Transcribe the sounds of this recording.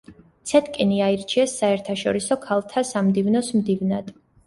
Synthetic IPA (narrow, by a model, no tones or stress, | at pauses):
t̪sʰɛt̪ʰkʼiniaiɾt͡ʃʰiɛsːaɛɾt̪ʰaʃɔ̰ɾisɔkʰalˠt̪ʰasamd̪ivnɔsmd̪ivnad̪̥